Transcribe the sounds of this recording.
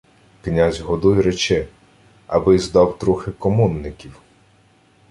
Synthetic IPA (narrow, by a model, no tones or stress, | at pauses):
knʲazʲɦɔd̪ujɾɛt͡ʃɛ | ɐ̰bɪzd̪ɑwt̪ɾuxɪkɔmɔnːɪkʲiw